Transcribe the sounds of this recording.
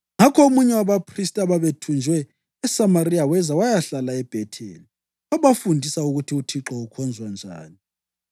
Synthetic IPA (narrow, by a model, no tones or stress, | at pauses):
ŋakʰɔomuɲɛwaβapʰristʼaβaβetʰund͡ʒʱwɛː | samaɾiawɛzawajaɬalaɛb̥ʱɛtʰɛ̰ːli | aβafundʱisauɣutʰiutʰiǁɔukʰɔnd͡zʱwand͡ʒʱa̰ːni